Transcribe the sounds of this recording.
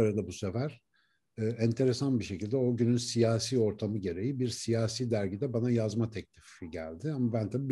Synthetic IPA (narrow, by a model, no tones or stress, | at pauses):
aɾad̪abuse̞fæɾ̥ː | ɛnt̪ʰe̞ɾe̞sanbiʃe̞cilʲd̪ɛo̞ɟynynsijaːsiːo̞ɾt̪ʰamɯɟe̞ɾe̞jibiɾsijaːsiːd̪æɾɟid̪ɛbanajazmat̪ʰɛclʲifɟæ̰lʲd̪ɪamabænt̪ʰabiːb